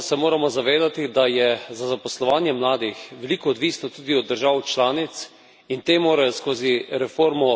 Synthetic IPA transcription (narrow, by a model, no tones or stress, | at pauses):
sɛmoːɾamɔzaʋeːd̪at̪id̪ajɛzazapɔslɔʋaːnjɛmlaːd̪ixʋɛliːkɔːd̪ʋiːsnɔt̪uːd̪iɔd̪ːəɾʒaːwt͡ʃlaːnit̪s | int̪eːmoːɾajɔskoːziɾɛfoːɾmɔ